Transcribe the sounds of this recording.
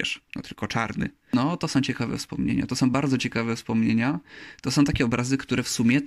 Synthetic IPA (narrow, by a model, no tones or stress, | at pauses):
ɛ̰ʂnɔ̰t̪ɘlkɔt͡ʂaɾnɘ̰ | nɔt̪ɔsɔ̃w̃t͡ɕɛkavɛ̰fspɔ̰mɲḛɲa̰t̪ɔsɔ̃w̃baɾd̪zɔt͡ɕɛkavɛfspɔmɲeɲat̪ɔsɔ̃w̃t̪akʲɛɔbɾʔazɘkt̪uɾɛfsumʲjɛ